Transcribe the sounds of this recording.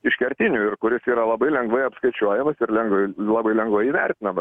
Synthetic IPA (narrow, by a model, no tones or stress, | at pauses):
ɪʃkʲɛɾʲt̪ʲɪnʲuːɪrkʊɾʲɪsiːɾɐlˠɐbɐɪlʲɛŋɡʋɐɪɐpskɐɪt͡ʃʲuɔjɛmɐsɪɾlʲɛŋɡʋɐɪlˠɑːbɐɪlʲɛŋɡʋɐɪiːʋʲɛrʲt̪ʲɪnɐmɐs